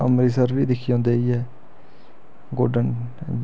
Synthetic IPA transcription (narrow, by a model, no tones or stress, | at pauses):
ə̰mɾiːs̬əɾʋiːd̪ɪkʰːɪjõːnd̪eːiːɛː | ɡoːɖən